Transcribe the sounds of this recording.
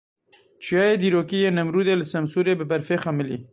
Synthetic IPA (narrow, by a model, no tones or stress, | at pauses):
t͡ʃijɑːjeːd̪iːɾoːkijeːnɐmɾuːd̪eləsɐmsuːɾeːbɨbɐɾfeːxɐmɪlḭː